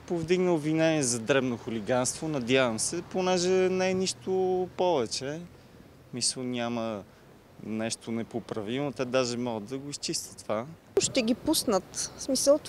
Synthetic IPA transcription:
povd̪iɡnəlˠvinɛniɛzɐd̪ɾɛbnoxʊliɡanst̪vonɐd̪ʲjavəmsɛponɛʒɛnɛɛniʃt̪opɔvɛt͡ʃɛ | misəlˠnʲamə | nɛʃt̪onɛpopɾɐvimot̪ɛd̪aʒɛmɔɡəd̪ɐɡoist͡ʃist̪ə̥t̪ːva | ʃt̪ɛɡʲipusnət̪smisəlˠt̪

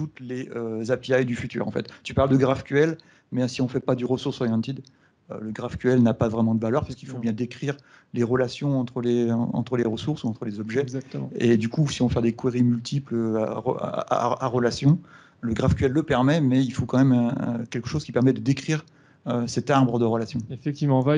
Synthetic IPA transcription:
t̪ut̪leøzapjajd̪yfyt̪y̰ʁɑ̰̃fɛ̰t̪t̪ypaʁld̪əɡʁafkʲɥɛl | mɛsiɔ̃fɛpad̪yʁəsuʁsɔʁjɑ̃nt̪id̪ | ø̰ləɡʁafkʲɥɛlnapavʁɛmɑ̃d̪əvalœʁpḁʁsəkilfobjɛ̃d̪ekχiʁ | leʁəlasjɔ̃ɑ̃t̪χəleɑ̰̃t̪χəleʁəsuʁsuɑ̃t̪χəlezɔbʒɛzaked̪ykusiɔ̃fɛd̪ekweʁimylt̪ʰipl̰ʁə̰a̰aʁəlasjɔ̃ | ləɡʁafkʲɥɛlːəpɛʁmɛmɛilfokɑ̃mɛmɛ̃kʲɛlkə̥ʃoz̥kʲipɛʁmɛd̪əd̪ekχiʁ | øsɛt̪aʁbʁəd̪əʁəlasjɔ̃efɛk̚t̪ivmɑ̃va

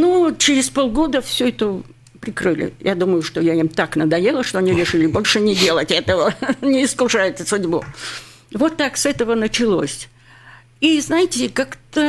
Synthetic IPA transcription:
nut͡ɕɪɾʲɪspolˠɡo̞d̪əfsʲɵɛt̪ə | pɾʲɪkrɨlʲɪ̰jad̪uməjʊʂt̪o̞jaimt̪aknəd̪ɐjelˠəʂt̪oɐnʲiɾʲɪʂɨlʲɪbo̞lʲʂɨnʲɪdʲe̞lˠətʲɛt̪əvənʲɪːskʊʂajɪt̪ʲsʊdʲbʊ | vo̞t̪ːaksɛt̪əvənət͡ɕɪlˠo̰sʲ | iznajɪtʲɪkakt̪ə

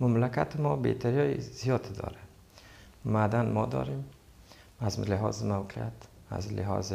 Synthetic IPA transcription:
mamlakat̪ʰɪmɔbḛt̪ʰaɾjɒjḭzijɔd̪d̪ɔ̰ɾe | mad̪anmɔd̪ɔ̰ɾem | azlɪɦɔ̰zɪmawqʰijat̪ | a̰zlɪɦɔ̰z

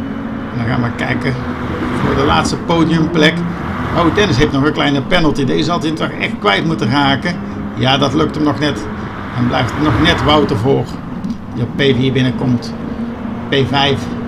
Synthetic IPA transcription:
ndɑɣaːnʋəkɛ̰jkə | vʊːɹdəla̰ːtstəpowdiɵmplɛk | owdɛnəsɦeftnɔɣənklɛjnəpɛnəlˠtideɪzɑlˠtitɔxɛ̰xtkʋɛjtmutəraːkə | jaːdɑtlɵk̚təmnɔxnɛt | ɛnblɛjftnɔxnɛtʋʌwtərvoːr | ɔpejviːɹbɪnəkɔmt | pevɛjf

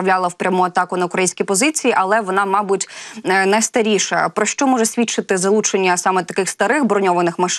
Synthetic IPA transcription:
ɐʋlʲɑlˠɐwpɾʲɐmuɐt̪ɑkʊnɐʊkɾɐjinsʲkʲipɔzɪt͡sʲijiʔɐlˠɛʋɔnɑmɑbʊtʲnɐjst̪ɐɾʲiʃɐ̰pɾɔʃt͡ʃɔmɔʒɛsʲʋʲit͡ʃːɪt̪ɪzɐlˠut͡ʃenʲːɐsɑmɛt̪ːɐkɪxst̪ɐɾɪxbɾɔnʲɔʋɐnɪxmɐʃ

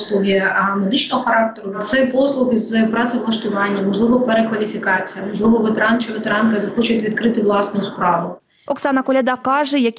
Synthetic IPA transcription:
slˠʊɦʲimed̪ɪt͡ʃnɔɦɔxɐɾɑk̚t̪eɾʊt̪sɛpɔslˠʊxizpɾɑt̪sɛʋlˠɐʃt̪ʊʋɑnʲːɐmɔʒlˠɪʋɔpeɾekʋɐlʲifʲikɑt͡sʲijɐmɔʒlˠɪʋɔʋet̪eɾɑnt͡ʃɪʋet̪eɾɑnkɐzɐxɔt͡ʃʊjɪt̪ʲʋʲid̪kɾɪt̪ɪʋlˠɑsnojʊspɾɑʋʊ | ɔksɑnɐkɔlʲɐd̪ɑkɑʐɛjɐkʲ

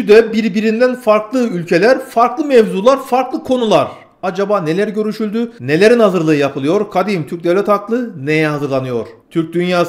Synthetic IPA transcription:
yd̪ɛbiɾbiɾind̪ænfaɾklˠɯylʲcʰe̞lʲæɾfaɾklˠɯmɛvzuːlˠaɾfaɾklˠɯkʰo̞nulˠaɾ̥ | ad͡ʒabaːne̞lʲæɾɟø̞ɾyʃylʲd̪yne̞lʲe̞ɾinhazɯɾlˠɯːɯjapʰɯlˠɯjo̞ɾkʰad̪imt̪ʰyɾc̚d̪evlʲɛt̪haklˠɯne̞jɛɦazɯɾlˠanɯjo̞̰ɾ̥t̪ʰyɾc̚d̪ynjaː

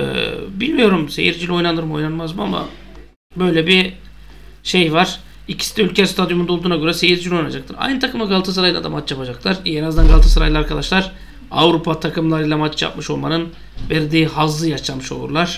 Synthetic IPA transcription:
ɛ̰bilʲmijo̞ɾumse̞̰jiɾd͡ʒilʲo̞jnanɯɾmo̞jnanmazbua̰ma̰ | bø̞jlʲɛbi | ʃejvaɾ̥ | icʰi̥si̥t̪ʰɛylʲcʰɛst̪ʰad̪jumunod̪uːnaɟøɾɛse̞jiɾd͡ʒilʲo̞jnad͡ʒak̚t̪ʰɯɾa̰jnɯt̪ʰakɯmaɡalˠt̪ʰɯs̬ɯɾajlˠad̪a̰mat͡ʃjapad͡ʒaklˠaɾenazd̪anɡalˠt̪ʰɯsɯɾa̰jlˠaɾkʰad̪aʃlˠaɾ | a̰vɾupʰat̪ʰakʰɯmlˠaɾɯjlˠamat͡ʃja̰p̚mɯʃo̞lˠma̰nɯn | væɾd̪iːɦazlˠɯjaʃlamɯʃo̞lˠṵɾlˠaɾ̥

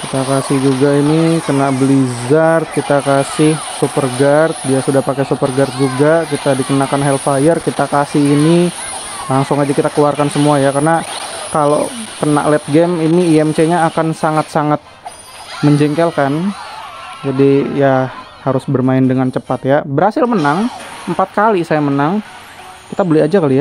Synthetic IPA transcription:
kit̪akasɪhd͡ʒuɡainikənaʔbəlizart̪̚kit̪akasɪh | supərɡart̪̚diasudahpakesupərɡart̪̚d͡ʒuɡakit̪adikənakanɦɛlfajərkit̪akasɪhini | laŋsʊŋad͡ʒakit̪akəluarkansəmuajakarnakalo̰kəna̰ʔlɛt̪̚ɡɛminiiɛmt͡ʃeɲaːkansaŋat̪̚saŋat̪̚ | məɲd͡ʒɛŋkɛlkan | d͡ʒadija | haɾʊsbərmaɪndəŋant͡ʃəpat̪jabəɾhasɪlmənaŋəmpat̪̚kalisajamənaŋ | kit̪abəlɪad͡ʒakəlia

